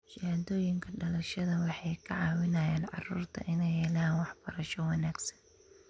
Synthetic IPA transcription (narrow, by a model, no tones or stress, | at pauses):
ʃɪhad̪ɔːjɪŋkʰɐɖɐlɐʃɐðɐwɑħɑjkʰɐʕɑːwɪnɐjaːnʕɑ̰rṵːrt̪ʰɐ̰ʔɪnɛjhɛːlaːnwɑħb̥ɐɾɐʃɔwɑnaːɡsɐ̥n